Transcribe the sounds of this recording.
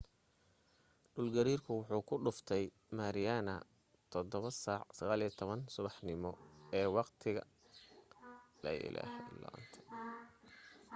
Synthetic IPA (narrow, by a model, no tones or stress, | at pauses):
ɖʊlɡɐɾiːrkʰʊwʊħuːkʰʊɖʊft̪ʰɛj | maːɾɪjanɐ | t̪ʰɔd̪ɔβɐsaːʕsɐɣaːlijɛt̪ʰɔβɐnsʊβɑħnɪmɔɛːwɑqt̪ʰɪɣɐ̰ | lɐ̰jɪ̰lʔæ̰ːhɛlɔ̰ːnt̪ʰɐ̥